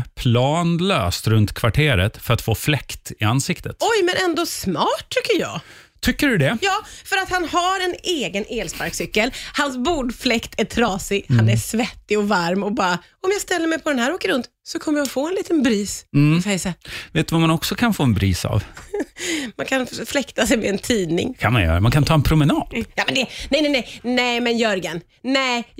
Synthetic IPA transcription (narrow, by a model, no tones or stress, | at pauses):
pʰlɑːnløːst̪ɾɵnt̪kʰvaʈʰeːɾə̰t̪fœɾat̪foːflɛkt̪ɪansɪkt̪ət̪ɔjmɛnɛnd̪ɔsmɑːʈʰːʏkːəɾjɑ̰ː | t̪ʰʏkːəɖɵd̪ɛjɑːfœɾat̪hanhaɾɛneːɡənʔeːlspaɾksʏkːəlhans̬buːɖflɛkt̪ʰæʈʰɾɑːsɪɡhanæsvɛt̪ːɪɔvaɾmɔbɑːɾa | ɔmjɑɡst̪ɛlːəɾmɛjpʰɔd̪ɛnɦæːɾoːkəɾɵnt̪ | sɔkʰɔmːəɾjaɔfoːɛnliːt̪ənbɾiːsɔfɛjsaveːt̪ɵvamanɔksɔkʰanfoːɛnbɾḭːsa̰v | mankʰanflɛkt̪asɛjmɛːnt̪ʰiːnɪ̰ŋkʰanmanjœ̰ːɾa̰mankʰant̪ʰɑːɛnpʰɾʊmɛnɑːd̪jɑːmɛnd̪ɛnɛjnɛnɛnɛɪmɛnjœɾɡən | nɛ